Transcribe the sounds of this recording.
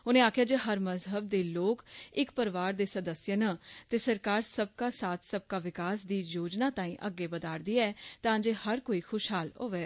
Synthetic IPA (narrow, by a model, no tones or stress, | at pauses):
ʊnẽːaːkʰɪjaːd͡ʒeːɦəɾməzɦəb̚d̪eːloːkɪkpəɾʋaːɾd̪eːsəd̪əsjənat̪eːsəɾkaːɾsəb̚kaːsaːt̪ʰsəb̚kaːʋɪkaːsd̪iːjoːd͡ʒnaːt̪ãːĩːʔəɡːeːbəd̪aːɾd̪iːaɛːt̪ãːd͡ʒeːhəɾkoːiːxʰʊʃɦaːlɦo̰ːʋɛː